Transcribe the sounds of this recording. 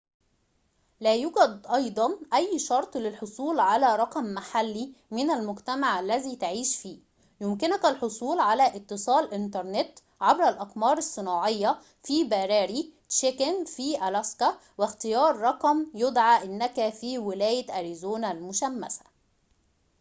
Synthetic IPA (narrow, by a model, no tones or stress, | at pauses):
læːjuɡæd̪ʔɑjd̪ˤɑnʔæjːʃɑɾˤt̪ˤlɪlħosˤuːlʕalæːɾˤɑqɑmːaħalːimɪnælmʊɡt̪æmaʕʔælːæziːt̪aʕiːʃfiː | jʊmkɪnʊkælħosˤuːlʕalæʔɪt̪ːɨsˤɑːlʔɪnt̪ɑɾˤnɪt̪ | ʕabɾælʔɑqmɑːɾˤɑsˤːɨnɑːʕɪjːɑ | fiːbæːɾæːɾi | ʃekænfiːʔælæskæ | wɪxt̪ɪjɑːɾˤːɑqɑmjʊd̪ʕaːʔɪnːækæfiːwɪlæːjɪʔæɾizoːnælmʊʃæmːæ̰sæ̥